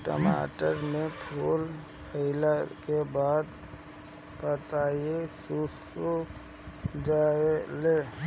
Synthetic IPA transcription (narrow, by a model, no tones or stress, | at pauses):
ʈə̰ma̰ːʈəɾmẽpʰuːl | əɪlakebaːd̪ | pət̪ajesusuk | d͡ʒaːele